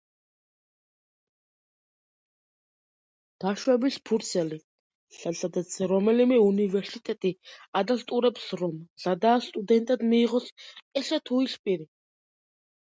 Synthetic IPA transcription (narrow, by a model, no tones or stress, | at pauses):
d̪̥aʃwɛbispʰuɾt̪sʰɛli | sasad̪at̪sʰɾɔmɛlimɛunivɛɾsit̪ʼɛt̪ʼiad̪ast̪ʼuɾɛpsɾɔmz̥ad̪aːst̪ʼud̪ɛnt̪ʼad̪miːʁɔsɛsɛt̪ʰuispʼiɾi